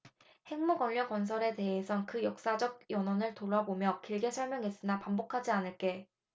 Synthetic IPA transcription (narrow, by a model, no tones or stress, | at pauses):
he̞ŋmuɡʌʎːʌkʌnsʰʌɾe̞te̞ɦesʰʌnkɯjʌk̚s͈ad͡ʑʌɡ̚jʌnʌnɯɭtoɾabomjʌkiɭɡe̞sʰʌɭmjʌŋɦe̞s͈ɯnapambokʰad͡ʑianɯɭk͈e̞